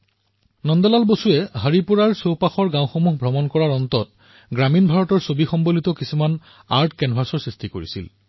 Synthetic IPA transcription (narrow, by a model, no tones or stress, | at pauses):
nɔndɔlalbosuɛɦaɹipuɹaɹsowpaxɔɹɡãw̃xomuɦbʱɹɔmɔnkɔɹaɹɔntɔt̚ | ɡɹaminbʱaɹɔtɔɹsobixɔmbolitɔkisuman | aɹtkɛnbʱasɔɹsɹistikoɹḭsḭl